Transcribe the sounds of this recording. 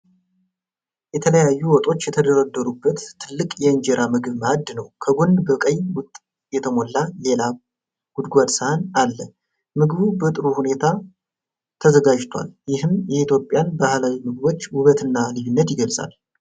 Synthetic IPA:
jɛt̪ʰələjajːuwɔt̪ʼo̞t͡ʃːjɛt̪ʰəd̪əɾəd̪ːəɾubːət̪ʰːɨlːɨkʼjɛɨnd͡ʒeɾʔamɨɡɨβmad̪ːnəwkʰəɡonbəkʼəɲːwʊt̪ʼ | jɛt̪ʰəmo̞lːale̞la | ɡ̥ud̪ɡʷad̪sahanalːə | mɨɡβubət̪ʼɨɾuhune̞t̪ʰa | t̪ʰəzəɡad͡ʒt̪ʰʷa̰ljɪhɨmjɛit̪jo̞pʼjanbahlawimɨɡɨβo̞t͡ʃːwʊβət̪ɨnːalɨjunːət̪jɪɡəlsʼa̰l

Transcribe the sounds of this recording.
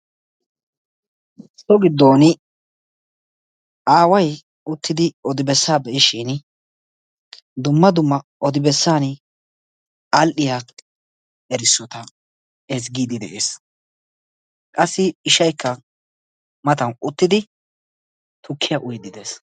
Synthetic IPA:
sɔɡɪd̪ːoːnɪ | aːwɐj | ʊt̪ːɪd̪ɪɔd̪ɪbɛsːaːbɛʔɪʃɪn | d̪ʊmːɐd̪ʊmːɐɔd̪ɪbɛsːaːn | ɐlʔɪja | ɛɾɪsːɔt̪ɐ | ɛsɡiːd̪ɪd̪ɛ̰ʔeːs | kʼɐsːɪɪʃɐjkʰːɐ | mɐt̪ɐnʔʊt̪ːɪd̪ɪ | t̪ʊkʰːɪjaʔʊjd̪ɪd̪e̞ːs

